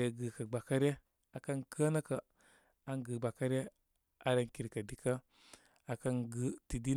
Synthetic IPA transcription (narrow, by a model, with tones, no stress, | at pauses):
e˨ɡə˨ka˨ɡ͡ba˨ka˦ɾe˦ | a˨ka˦nkʰə˦na˦ka˨ | a˦ŋɡə˨ɡ͡ba˨ka˦ɾe˦ | a˨ɾa˦nki˨ɾka˨di˨ka˦ | a˨ka˦nɡə˦ti˨di˦